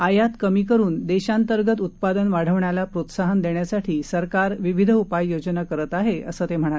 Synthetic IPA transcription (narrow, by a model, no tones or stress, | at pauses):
ajat̪kəmiːkəɾuːnd̪eɕant̪əɾɡət̪ut̪̚pad̪ənʋaɽ̤əʋɳjalapɾot̪saɦənd̪eɳjasaʈʰiːsəɾkaɾʋiʋid̪ʱupajːjod͡ʑnakəɾət̪aɦeə̰səːt̪em̤əɳ̃at̪